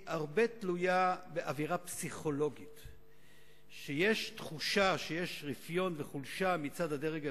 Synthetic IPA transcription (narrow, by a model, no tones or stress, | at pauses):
ʔaʁbe̞tlujabeʔaviʁapsiχo̞lo̞ɡit | ʃeje̞ʃtχuʃaʃejeʃʁifjo̞nveχulʃamit͡sadadeʁeɡ